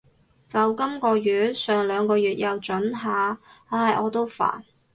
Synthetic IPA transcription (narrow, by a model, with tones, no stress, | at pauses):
t͡sɐ˨wkɐ˥mkɔː˧jyː˨˩t̚sœː˨ŋlœː˨˧ŋkɔː˧ɥyː˨t̚jɐ˨wt͡ʃɵ˨˥nɦaː˨˧aː˧jʔɔː˨˧t̪o˥wfa̰ː˨˩n